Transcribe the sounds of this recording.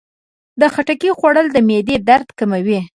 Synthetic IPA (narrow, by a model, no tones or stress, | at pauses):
d̪əxaʈakixwaɽəld̪əmed̪ed̪aɾd̪kamawi